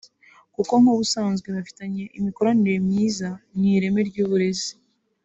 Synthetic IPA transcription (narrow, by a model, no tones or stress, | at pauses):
kuko̞ŋoβusaːnzɡweβafi̥taɲe̞ʔimiko̞ɾaniɾe̞mɲiːzan̥iɾe̞me̞ɾɟuːβuɾe̞zi̥